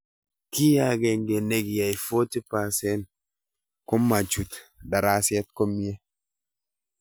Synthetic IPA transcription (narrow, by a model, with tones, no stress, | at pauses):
ki˦ja˨ɡɛ˨ŋɡe˨ne˦ɡja˨jfo˦ti˦pa˨sɛ˦n | ko˦ma˨t͡ʃu˨tda˨ɾa˦sɛ˦t̪̚ko˦mi˦e˦